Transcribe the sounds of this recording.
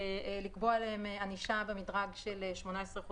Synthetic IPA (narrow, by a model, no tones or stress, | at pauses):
likbo̞aleemeaniʃabemidʁaɡʃeleʃmo̞naesʁeχu